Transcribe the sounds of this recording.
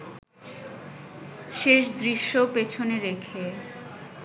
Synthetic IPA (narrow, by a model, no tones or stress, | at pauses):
ʃeʃd̪ɾiʃːopet͡ɕʰoneɾekʰe